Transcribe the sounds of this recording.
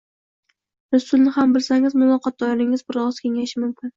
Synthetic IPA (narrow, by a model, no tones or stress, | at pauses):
ɾʊsʊlˠnɪhambɪlsaŋɪzmʊlˠɒqʰɒt̪̚d̪ɒjɪɾɪŋɪzbʊɾɒʁɨz̥kʲʰe̞ŋaʃɪmʊmkʲʰɪn